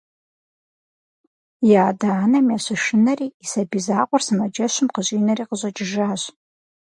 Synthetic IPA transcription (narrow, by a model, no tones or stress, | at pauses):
jaːdaːnɐmiaɕaʃɪnɐriːsabizaːqʷʊrsɨmad͡ʒɐʃʷɪmqəʑʼiːnɐriːqəʒʷʼɐd͡ʒʼɪʒaːɕ